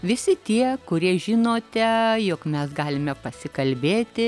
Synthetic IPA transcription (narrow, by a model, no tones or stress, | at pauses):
ʋʲɪsʲɪt̪ʲiɛkʊɾʲiɛʒʲɪnoːt̪ʲɛjokmʲɛsɡɑːlʲɪmʲɛpɐsʲɪkɐlʲbʲeːt̪ʲɪ